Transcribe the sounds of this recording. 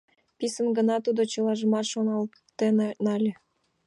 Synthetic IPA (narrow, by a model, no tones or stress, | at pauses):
pisə̆nɡə̆nɑt̪ud̪ot͡ɕɤlɑʒə̆mɑt̪ʃonɑl | t̪ennɑlʲe